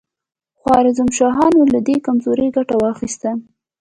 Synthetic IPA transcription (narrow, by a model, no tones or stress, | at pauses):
xwɑɾɪzʊmʃɑɦɑnolad̪ekamzoɾəjɡaʈawɑxist̪a